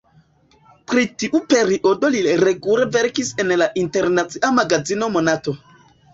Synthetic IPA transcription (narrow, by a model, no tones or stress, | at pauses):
pɾitiʔupe̞ɾiʔo̞do̞liɾe̞ɡuleve̞ɾkise̞nlaʔinte̞ɾnat͡siʔamaɡazino̞mo̞nato̞